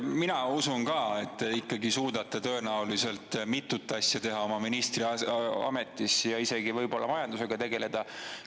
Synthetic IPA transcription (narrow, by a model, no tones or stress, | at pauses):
minɑusunkɑe̞t̪ːeikːɑɡisuːd̪̥ɑt̪ːˑɑt̪ø̞e̞næulise̞lt̪ˑmit̪ːˑut̪ːˑɑsjɑt̪e̞ɦɑo̞mɑminist̪riɑɑ̰me̞t̪ˑːisjɑise̞ɡ̥ivɤjbo̞lːɑmɑjɑnd̪use̞ɡ̥ɑt̪e̞ɡe̞le̞d̪̥ɑ